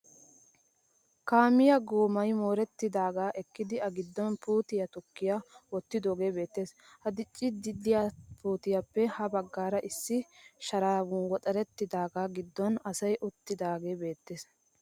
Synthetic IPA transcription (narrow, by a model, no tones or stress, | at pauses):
kaːmɪjɐɡoːmɐjmoːɾɛt̪ːɪd̪aːɡaːʔɛkːɪd̪ɪɐɡɪd̪ːɔnpuːt̪ɪjɐt̪ʊkːɪjawɔt̪ːɪd̪oːɡe̞ːbe̞ːt̪ːe̞ːshɐd̪ɪt͡ʃʼːɪd̪ɪd̪ɪjaːpuːt̪ɪjɐpːɛhɐbɐɡːaːɾɐʔɪsːɪʃɐɾaːɡʊnwɔt̪ʼɐɾɛt̪ːɪd̪aːɡaːɡɪd̪ːɔnɐsɐjʔʊt̪ːɪd̪aːɡe̞ːbe̞ːt̪ːeːs